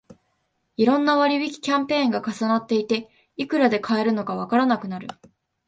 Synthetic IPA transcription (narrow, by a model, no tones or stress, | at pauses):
iɾõ̞nːaβaɾʲibʲikʲi̥kʲãmpẽ̞ːŋɡakasanat̪ːe̞it̪e̞ | ikɯ̟ɾad̪e̞kʰae̞ɾɯ̟no̞kaβ̞akaɾanakɯ̟naɾɯ̟